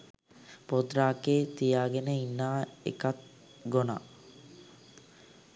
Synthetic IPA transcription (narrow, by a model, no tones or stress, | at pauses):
pod̪ɾaːkeːt̪ijaːɡenəinːaːḛkat̪̚ | ɡona̰